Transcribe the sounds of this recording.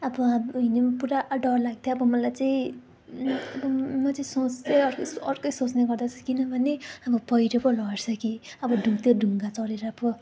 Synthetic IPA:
ʌbʌɦinepuɾaʔɖʌrlaɡ̚t̪ʰjoʌbʌmʌlajt͡saĩ | ʌbʌmʌt͡saĩsot͡steʌrkʌsʌrkʌjsot͡sneɡʌrd̪at͡sʰʌ̥kinʌbʱʌneʌbʌpʌjɾʌpʌlʌɾsʰʌkiʌbʌɖʱũŋt̪ʰjoɖʱuŋɡat͡sʌɾeɾʌʌbʌ

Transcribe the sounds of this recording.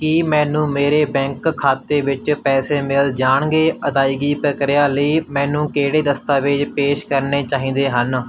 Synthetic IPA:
kimɛ̃ːnũːmeːɾeːbɛ̃ːŋkkʰːaːt̪eːʋɪt͡ʃpɛːseːmɪld͡ʒaːɳ̃ɡeːəd̪aːiɡiːpɾəkɾɪjaːləiːmɛ̃ːnũːkeːɽeːd̪əst̪aːʋeːd͡ʒpeːʃkəɾneːt͡ʃaːɦĩːnd̪eːɦən

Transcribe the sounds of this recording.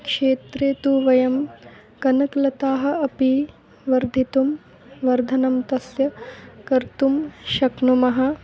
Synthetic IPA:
kʂeːt̪ɾeːt̪uːʋɐjɐm | kɐnɐklɐt̪aːɦɐ̆ɐpi | ʋɐɾd̪ʱit̪um | ʋɐɾd̪ʱɐnɐmt̪ɐsjɐkɐɾt̪umʃɐknumɐɦɐ̆

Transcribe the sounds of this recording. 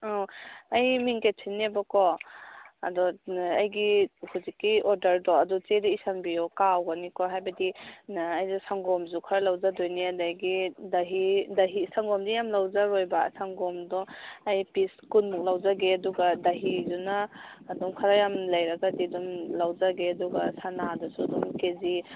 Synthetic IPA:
awajmiŋketʰinːiabakɔ | ɐ̰dɔajɡihuzikːiɔɾdɐɾdɔadɔt͡ʃedaisanbijɔkawɡanikɔɦajbɐdiajdɔsaŋɡɔmzukʰaɾalawzadojniadajɡidaɦidɐɦisaŋɡɔmdijamlawzaɾojbasaŋɡɔmdɔajpiskunmuk̚lawzaɡeɐduɡadaɦizunaːdɔmkʰaɾajamlɐjɾaɡadidɔmlawzaɡeɐduɡasanadɔsudɔmkezi

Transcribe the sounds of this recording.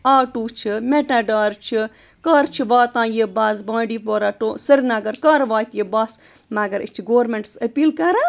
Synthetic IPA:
aːʈuːt͡ʃʰimeʈaːɖaːɾt͡ʃʰi | kaːɾt͡ʃʰiʋaːt̪ãːjebaːsbãːɖiːpoːɾaʈoːsɐɾnɐɡɐɾkaːɾʋaːt̪jebaːs | mɐɡɐɾit͡ʃʰiɡoːɾmeɳʈsɐpiːlkɐɾa

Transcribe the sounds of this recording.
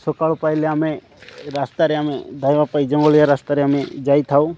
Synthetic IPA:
sokaɭopajleamẽ | ɾast̪aɾeamed̪ʱajʋapaid͡ʒə̃ŋɡoljaɾast̪aɾeamed͡ʒait̪ʰau

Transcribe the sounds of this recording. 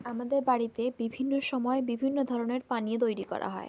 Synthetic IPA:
amad̪eɾbaɽit̪ebibʱinːoʃɔmɔebibʱinːod̪ʱɔɾoneɾpanijet̪̬ojɾikɔ̰ɾa̰ɦɔ̰e

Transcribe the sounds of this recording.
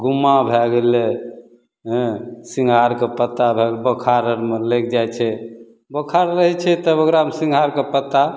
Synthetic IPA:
ɡumːabʱɛɡele | ɦɛ̃siŋɡʱaɾkepət̪ːabʱeɡlbəkʰaɾəɾmelek̚ʰd͡ʒajt͡ʃʰɛ | bəkʰaɾɾəɦɛt͡ʃʰɛt̪əoɡɾaɦəmsĩŋɡʱaɾkepət̪ːa

